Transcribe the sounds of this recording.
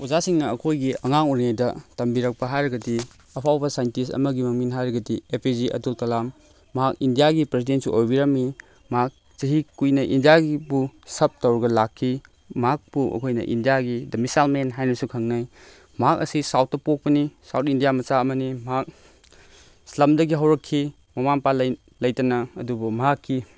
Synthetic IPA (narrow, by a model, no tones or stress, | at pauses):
uzasiŋnɐɐkʰojɡiɐŋaŋuɾŋajdɐtɐmbiɾɐk̚pɐɦajɾɐɡɐdi | ɐpʰawbɐsajntisɐ̰mɐɡimɐŋminɦajɾɐɡɐdiepʰiziʔɐ̰tultɐlamː | ɐɦak̚indijaɡipɾes̬identsuʔojbiɾɐmːi | mɐɦak̚ | t͡ʃɐɦikujnɐʔindijaɡibusɐp̚tɐwɾɐɡɐlakʰːi | mɐɦak̚buʔɐ̰kʰojnɐ̰ʔḭndijaɡidɐmisalmenɦajnɐsukʰɐŋnaj | mɐɦak̚ɐ̰sisawt̚ːɐpok̚pɐnisawt̚indijamɐt͡ʃaɐmɐnimɐɦak̚ | slamdɐɡiɦɐwɾɐkʰːi | mɐmanpalɐj | lɐjtɐnɐɐ̰dubɐmɐɦakʰːi